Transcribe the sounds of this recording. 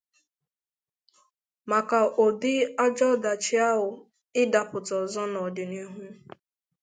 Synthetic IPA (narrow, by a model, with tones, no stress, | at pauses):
ma˨ka˨ʔo˨dɪ˦a˦d͡ʒɔ˦˨da˨t͡ʃɪ˦a˦ɦʊ˨ | ɪ˦da˨pʊ˨tɔ˨zɔ˦nɔ˨dɪ˨ni˦ɦu˦